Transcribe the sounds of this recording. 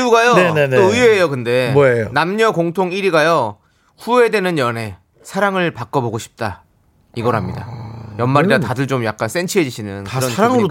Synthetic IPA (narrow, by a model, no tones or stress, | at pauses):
uɡajonenenoɯeːjokɯnde̞majonamɲʌkoŋtʰoŋiɾiɡajo | ɸue̞de̞nɯnjʌne̞ | sʰaɾaŋɯɭpak͈ʌboɡoɕʰi̥p̚t͈a | iɡʌɾɦamɲida̰jʌnmaɾidatadɯɭt͡ɕomjak͈̚ans͈e̞nt͡ɕʰiɦe̞d͡ʑiɕʰinɯnkɾʌnʰaɾaŋɯɾo